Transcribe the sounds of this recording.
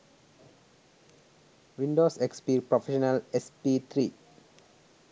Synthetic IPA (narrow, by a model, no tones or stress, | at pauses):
ʋĩnɖoːsekspiːpɾofeʃənəlespit̪ʰɾiː